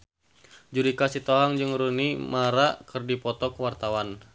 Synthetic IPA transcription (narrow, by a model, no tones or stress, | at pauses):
d͡ʒuɾikasit̪ɔɦaŋd͡ʒɨŋɾunimaɾakɨrdipɔt̪ɔkəwart̪awan